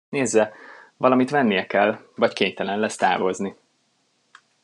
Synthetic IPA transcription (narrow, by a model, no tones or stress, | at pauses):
neːzːɛvɒlɒmit̪ʋɛnːijɛkɛlːvɒckeːɲt̪ɛlɛnlɛst̪a̰ːvo̞zni